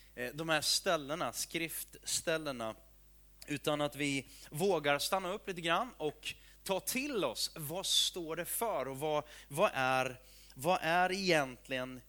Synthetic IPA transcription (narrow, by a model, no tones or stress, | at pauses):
d̪ɔmhæːst̪ɛlːəɳaskɾɪft̪st̪ɛlːəɳa | ʉ̟ːt̪anat̪vɪvoːɡaɾst̪anːaɵpːliːt̪əɡɾanːɔk | t̪ʰɑːt̪ʰɪlɔsvast̪oːɖɛfœɾɔvavaʔæɾ | vaʔæɾɛjɛnt̪ʰlɪɡən